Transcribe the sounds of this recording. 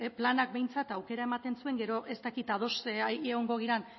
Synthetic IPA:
planak̚be̞jnt͡sat̪awke̞ɾae̞mat̪e̞nsue̞ŋɡe̞ɾo̞ʔe̞st̪akit̪að̞o̞seɣo̞ŋɡo̞ɣ̞iɾan

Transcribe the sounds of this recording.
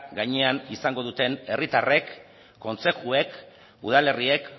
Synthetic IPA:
ɡaɲe̞anisaŋɡo̞ð̞ut̪e̞ne̞rit̪are̞kː | o̞nse̞tue̞k | uð̞ale̞rie̞k

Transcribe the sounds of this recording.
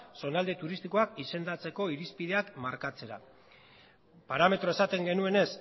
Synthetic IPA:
so̞nald̪e̞t̪uɾist̪iko̞akise̞nd̪at͡se̞ko̞iɾispið̞e̞akmaɾkat͡se̞ɾa̰ | paɾame̞t̪ɾo̞e̞sat̪e̞ŋɡe̞nue̞ne̞s

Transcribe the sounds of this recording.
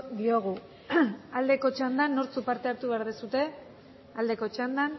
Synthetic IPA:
d̪ioɣ̞u | ald̪e̞ko̞t͡ʃand̪anːoɾt͡supaɾt̪e̞aɾt̪uβe̞aɾðesut̪e̞ | ald̪e̞ko̞t͡ʃand̪an

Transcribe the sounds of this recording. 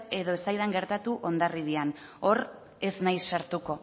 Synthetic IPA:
e̞ðo̞e̞st̪ajðaŋɡe̞ɾt̪at̪uʔo̞nd̪ariβian | o̞ɾ | e̞snajsːaɾt̪uko̞

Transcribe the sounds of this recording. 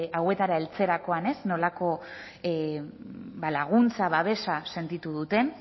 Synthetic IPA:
awe̞t̪aɾae̞lt͡se̞ɾako̞ane̞sno̞lako̞ | balaɣ̞unt͡saβaβ̞e̞sase̞nt̪it̪uðut̪e̞

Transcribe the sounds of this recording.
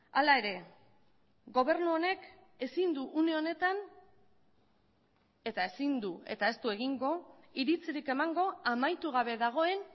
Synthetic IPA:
alae̞ɾe̞ | ɡo̞β̞e̞ɾnuo̞ne̞k | e̞sind̪uʔuneo̞ne̞t̪an | e̞t̪ae̞sind̪ue̞̰t̪ae̞st̪ue̞ɣiŋɡo̞ | iɾit͡siɾike̞maŋɡo̞amajt̪uɣ̞aβ̞e̞ðaɣ̞o̞e̞n

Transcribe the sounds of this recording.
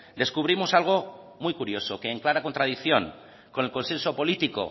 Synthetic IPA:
d̪e̞skuβ̞ɾimo̞salɣ̞o̞ | mujkuɾjo̞soke̞ːŋklaɾakont̪ɾað̞iθjo̞ŋ | ko̞ne̞lko̞nse̞nso̞po̞lit̪iko̰

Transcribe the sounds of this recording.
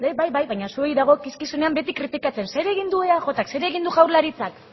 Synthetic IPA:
d̪eβajβajβajɲasue̞jðaɣ̞o̞kiskisune̞ambe̞t̪ikɾit̪ikat͡se̞nse̞ɾe̞ɣ̞ind̪ue̞aʝo̞t̪akse̞ɾeɣ̞ind̪uʝawɾlaɾit͡sak

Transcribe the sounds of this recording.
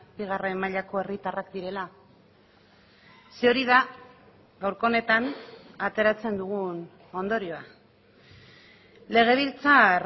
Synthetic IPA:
biɣ̞aremːaʎako̞e̞rit̪arakd̪iɾe̞la | seo̞ɾið̞a | ɡawɾko̞ne̞t̪anat̪e̞ɾat͡se̞nd̪uɣ̞un | o̞nd̪o̞ɾio̞a | le̞ɣ̞e̞β̞ilt͡sa

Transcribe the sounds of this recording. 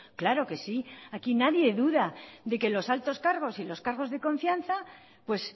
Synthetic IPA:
klaɾo̞ke̞siakinaðje̞ðuðaðe̞ke̞lo̞salt̪o̞skaɾɣ̞o̞silo̞skaɾɣ̞o̞zðe̞ko̞ɱfjanθa | pwe̞s

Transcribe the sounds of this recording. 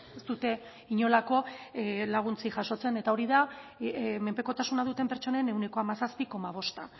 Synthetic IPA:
est̪ut̪e̞ | iɲo̞lako̞laɣ̞unt͡siʝaʃo̞t͡se̞ne̞t̪ao̞ɾiða | me̞mpe̞ko̞t̪asunað̞ut̪e̞mpeɾt͡so̞ne̞ne̞wne̞ko̞amasaspiko̞maβ̞o̞st̪a

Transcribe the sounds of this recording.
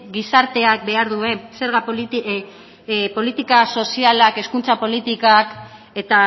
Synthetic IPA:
ɡisaɾt̪e̞ak̚be̞aɾðue̞se̞ɾɣa | po̞lit̪ikaso̞sialake̞skunt͡sapo̞lit̪ikak | e̞t̪a

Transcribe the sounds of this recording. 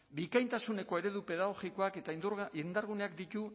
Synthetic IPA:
bikajnt̪asune̞ko̞e̞ɾe̞ðupe̞ðaɣ̞o̞ɣiko̞ake̞t̪aind̪end̪aɾɣ̞une̞akd̪it̪u

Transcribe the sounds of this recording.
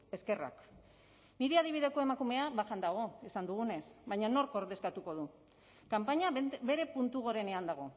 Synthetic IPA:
e̞ske̞ra̰k | niɾeað̞iβ̞ið̞e̞ko̞e̞makume̞aβaʝand̪aɣ̞o̞isand̪uɣ̞une̞sβajɲano̞ɾko̞ɾðe̞skat̪uko̞ð̞u | kampaɲaβe̞ɾe̞punt̪uɣ̞o̞ɾe̞ne̞and̪aɣ̞o̞

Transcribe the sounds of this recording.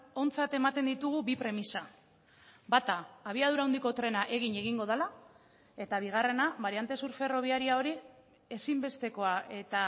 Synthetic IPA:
o̞nt͡sat̪e̞mat̪e̞nd̪it̪uɣ̞uβipɾe̞misa | bat̪aːβ̞iað̞uɾauwnd̪iko̞t̪ɾe̞naʔe̞ɣiɲe̞ɣ̞iŋɡo̞ð̞ala | e̞t̪aβ̞iɣ̞are̞naβaɾijant̪e̞suɾfe̞ro̞β̞iaɾiao̞ɾi | e̞simbe̞st̪e̞ko̞ae̞t̪a

